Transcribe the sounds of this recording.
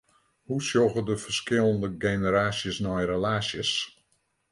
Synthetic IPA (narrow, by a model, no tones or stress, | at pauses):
husjoɣədəfərskɪlˠəndəɡenəɾaːsjəsnɔjrelaːsjəs